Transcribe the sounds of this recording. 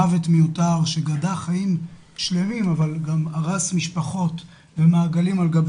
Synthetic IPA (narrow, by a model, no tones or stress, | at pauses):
avetmejutaʁʃeɡadaχajim | ʃle̞mimavalɡamaʁasmiʃpaχo̞t | vemaːɡalimalɡab